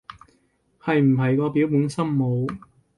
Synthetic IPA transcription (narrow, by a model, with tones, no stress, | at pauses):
hɐ˨jm̩˨˩ɦɐ˨jkɔː˧piː˨˥wmuː˨˥nsɐ˥mmo˨˧w